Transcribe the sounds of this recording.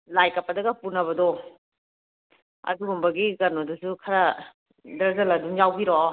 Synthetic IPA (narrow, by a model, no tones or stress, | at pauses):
lajkɐpːɐdɐɡɐpunɐβɐdɔ | ɐ̰duɡumbɐɡiɡɐnodusukʰɐɾɐ | dɐɾzɐlɐdumjawbiɾo